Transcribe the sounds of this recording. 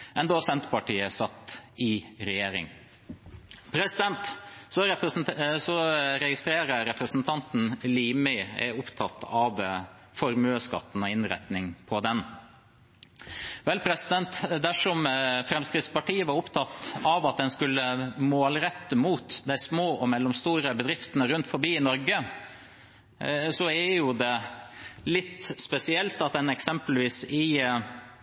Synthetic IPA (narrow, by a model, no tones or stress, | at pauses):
ɛnd̪oːsɛnt̪əpɑʈiːəsɑt̪ːɪɾɛjeːɾɪ̰ŋ | pʰɾɛsɪd̪ɛnt̪sɔ | sɔɾɛɡɪst̪ɾeːɾəɾɛpɾəsn̩t̪ʰɑnt̪n̩liːmɪɛ̰ʊpt̪ʰɑt̪ʰːɑʋ | fɔɾmøːskɑ̰t̪ːn̩ɔɪnɾæ̰t̪nɪŋpʰɔd̪ɛn | ʋɛlpʰɾɛsɪd̪ɛnt̪d̪æʂɔmfɾɛmskɾɪt̪spɑʈiːəʋɑɾʊpt̪ʰɑt̪ːɑʋɑt̪̚d̪ɛnskʉlːəmoːlɾɛt̪ːəmuːt̪d̪æɪsmoːɔmɛlːɔmst̪uːɾəbəd̪ɾɪft̪ənəɾʉnt̪fɔɾbiːɪnɔɾɡə | sɔɛjʊd̪ɛ | lɪt̪ːspɛsɪɛlt̪ɑt̪̚d̪ɛnɛksɛmpəlʋiːsɪ